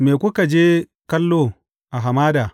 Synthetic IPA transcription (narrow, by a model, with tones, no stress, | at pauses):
meː˨kʷʊ˦ka˨d͡ʒeː˦ | kɐ˦lːoː˦ | ʔa˨ɦa˨maː˦daː˨